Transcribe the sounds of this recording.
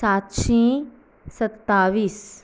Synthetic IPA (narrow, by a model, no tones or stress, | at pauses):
saːt̪ʃĩ | sɐt̪ːaːʋiːs